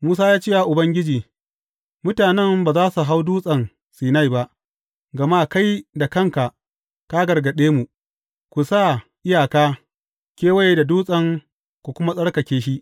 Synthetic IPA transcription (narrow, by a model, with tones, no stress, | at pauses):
muː˦s̬aː˦jaː˦t͡ʃi˦wa˨ʔʊ˨bɐ˦ŋɡʲɪ˦d͡ʒiː˨ | mʊ˦taː˨nɛ˦mbaː˨zaː˦su˨ɦa˦wduː˦sʼɐ˨n | siː˨na˦jba˦ʔ | ɡɐ˨ma˦ka˦jda˨kɐ˦˨ŋka˨ʔ | ka˦ɡɐ˨ɽɡɐ˨ɗeː˦mu˨ | kʷu˨sa˦˨ʔɪ˦jaː˨kaː˦ | kʲeː˦wa˦je˦da˨duː˦sʼɐ˦˨ŋ | kʷu˨kʷʊ˦ma˦sʼɐ˦ɽkɐ˨kʲeː˦ʃi˦